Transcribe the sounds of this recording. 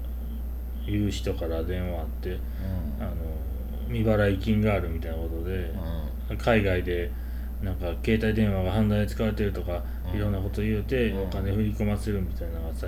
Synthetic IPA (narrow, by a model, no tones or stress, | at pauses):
jɯːɕi̥t̪o̞kaɾad̪ẽ̞ɰ̃βaːt̪ːe̞ | ano | mʲibaɾaikʲĩŋɡaːɾɯ̟mʲit̪ainakot̪o̞d̪e̞ | akʰaiɡaid̪e̞ | nãŋkake̞ːt̪aid̪ẽ̞ɰ̃βaɡaɦãnd̪ãĩt͡sɨ̥kaβaɾe̞t̪̬e̞ɾɯ̟t̪o̞ka | iɾõ̞nːako̞t̪ojɯ̟ːt̪e̞o̞kane̞ɸɯ̟ɾʲiko̞mase̞ɾɯ̟mʲit̪ainaɡasa